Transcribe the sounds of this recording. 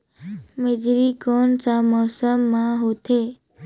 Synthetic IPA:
med͡ʒɾikɔnsamɔsəmːãɦot̪ʰe

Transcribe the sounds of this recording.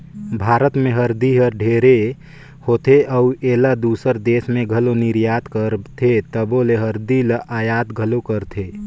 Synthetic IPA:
bʱaːɾət̪mẽɦəɾd̪iɦəɾɖʱeːɾe | hoːt̪ʰeʔəueːlad̪uːsəɾd̪eːsmẽɡʱəlonɪɾjaːt̪kəɾt̪ʰet̪əboːleɦəɾd̪iləʔaːjaːd̪ɡʱəlokəɾt̪ʰeː

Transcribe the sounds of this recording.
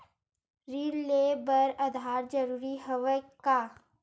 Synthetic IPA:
ɾiːɾlebəɾəd̪ʱaːɾd͡ʒəɾuːɾiɦəʋəka

